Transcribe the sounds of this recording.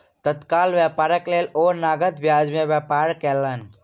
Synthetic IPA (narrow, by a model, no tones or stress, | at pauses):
t̪ət̪kalʋjapaːɾəkleloɾnaːɡət̪bjaːd͡ʒmẽʋjapaːɾkelən